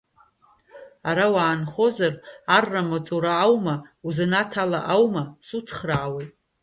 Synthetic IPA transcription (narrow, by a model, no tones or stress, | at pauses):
aɾawaːnχo̞zararːamat͡sʼuɾaːwmauzanatʰala̰ʔawmasut͡sʰχraːwetʼ